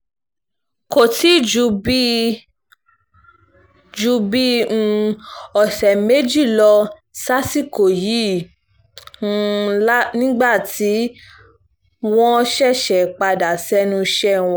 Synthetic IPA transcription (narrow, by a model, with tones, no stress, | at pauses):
ko˨ti˨˦d͡ʒu˧bi˦ | d͡ʒu˧bĩ˦˧ɔ˨sɛ˨me˨˦d͡ʒi˦˨lɔ˧ | sa˦si˦˨ko˨ji˨˦ | la˦nĩ˦ɡ͡ba˦˨tʰi˨˦ | w̃ɔ̃˦ʃɛ˦˨ʃɛ˨k͡pa˧da˨sɛ˦nũ˧ʃɛ˦˨w̃ɔ˦˨